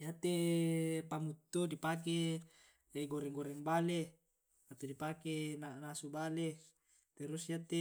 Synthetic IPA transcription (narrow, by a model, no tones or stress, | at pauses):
jat̪e | pamut̪ːodipak̬e | ɡoɾɛŋɡoɾɛŋbale | at̪odipakenanasubale | t̪ɛɾusiat̪e